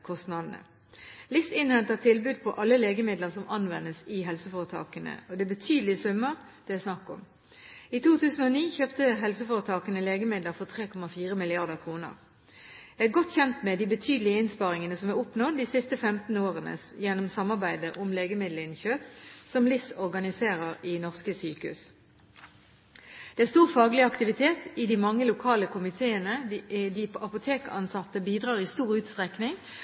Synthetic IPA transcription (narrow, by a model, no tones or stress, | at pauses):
kʰɔst̪nɑd̪n̩ə̰ | lɪsɪnhɛnt̪ət̪ʰɪlbʉːd̪̚pʰɔʔɑlːəleːɡəmɪd̪ləʁsɔmɑnʋɛnːəsɪɦɛlsəfoːʁət̪ʰɑ̰ːkənə̰ɔd̪ɛbət̪ʰyːd̪əlɪsʉmːəʁ | d̪̥ɛæsnɑkːɔ̰m | it̪ʰuːt̪ʰʉːsn̩ɔniːçøːpt̪əɦɛlsəfoːʁət̪ʰɑːkənəleːɡəmɪd̪ləɾfɔʁt̪ʰʁeːkʰɔmɑfiːʁəmɪlɪɑʁd̪əʁkʰʁuːnə̰ʁ | ææɡɔt̪çɛnt̪mɛd̪iːbət̪ʰyːd̪l̩ɪəɪnspɑʁɪŋənəsɔmæʊpnod̪iːsɪst̪əfɛmt̪n̩oːʁənə̰sjɛnʊmsɑmːɑʁbæɪd̪əʔʊmleːɡəmɪd̪l̩ɪnçøːpsɔmlɪsɔʁɡɑnɪseːʁəʁɪnɔʁskəsyːkʉ̰s | d̪̥ɛːæst̪uːʁfɑːɡəlɪəɑkt̪ɪʋɪt̪ʰeːt̪ɪd̪imɑŋːəlʊkʰɑːləkʰʊmɪt̪ʰeːənəd̪iɑpʊt̪ʰeːkəɑnsɑt̪ːəbiːd̪ʁɑːʁɪst̪uːʁʉːt̪st̪ʁɛknɪŋ